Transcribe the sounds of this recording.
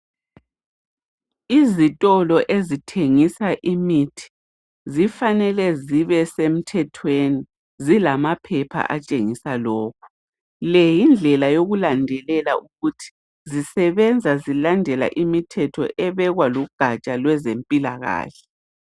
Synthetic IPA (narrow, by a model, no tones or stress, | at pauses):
izitʼɔlɔʔezitʰeŋisaʔimitʰi̥ | zifanɛlɛziβɛsem̩tʰɛtʰweni | zilamapʰɛpʰa̰ʔat͡ʃʼeŋisalɔːk̚ʰu̥ | lɛjind͡ɮʱɛlajoɣulandʱɛlɛlaʔuɣutʰi̥ | zisɛβɛnd͡zʱazilandʱɛla̰ʔimitʰɛtʰɔ̰ʔɛβɛɣwaluɡ̥ʱat͡ʃʼalwɛzempʼilaɣa̰ːɬɛ̥